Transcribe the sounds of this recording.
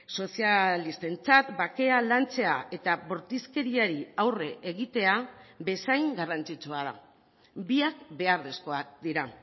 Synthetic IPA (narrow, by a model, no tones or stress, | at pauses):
so̞sialist̪e̞nt͡sat̪bake̞alant͡se̞aʔe̞t̪aβo̞ɾt̪iske̞ɾiaɾiawre̞ʔeɣit̪e̞abe̞sajŋɡarant͡sit͡suaða̰ | biakbe̞aɾðesko̞ak̚d̪iɾa